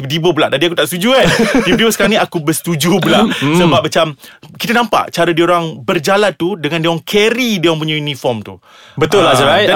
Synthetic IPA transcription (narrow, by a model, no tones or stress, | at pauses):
idibəbəlaʔdadiakut̪aʔst̪ud͡ʒuandib̚dibəsə̥kaɾaŋnĩakubəst̪ud͡ʒubəlaʔsəbap̚mat͡ʃamkit̪anãmpa̰ʔt͡ʃaɾədioɾaŋbərd͡ʒalant̪udəŋãndiaŋkʰɛɾidiaŋp̬uɲajunĩfɔmt̪u | bət̪ʊlad͡ʒaa